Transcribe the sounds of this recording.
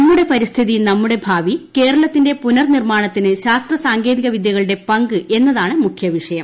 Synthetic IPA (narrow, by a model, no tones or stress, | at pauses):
ɐmːuɽe̞pɐɾist̪ʰiðinɐmːuɽebʱaːʋike̞ːɾɐɭɐt̪ːinde̞punɐrnirmaːɳɐt̪ːinɨɕaːst̪rɐsaːŋɡe̞ːðiɣɐʋid̪jɐɣɐɭɨɽe̞pɐŋɡɨʔe̞nːɐðaːɳɨmukʰjɐʋiʂɐjɐm